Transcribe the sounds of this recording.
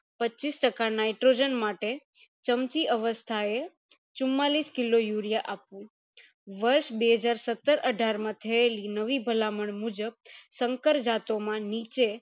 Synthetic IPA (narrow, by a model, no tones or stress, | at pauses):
pət͡ʃːisʈəkanajʈɾod͡ʒənmaʈe | t͡ʃəmt͡ʃiʔəʋəst̪ʰae | t͡ʃʊmːaliskilojuɾijaʔapʋũ | ʋəɾʃbeɦəd͡ʒaɾsət̪ːəɾʔəɖʱaɾmãt̪ʰəelinəʋibʱəlaməɳmud͡ʒəb̚səŋkəɾd͡ʒat̪omãnit͡ʃe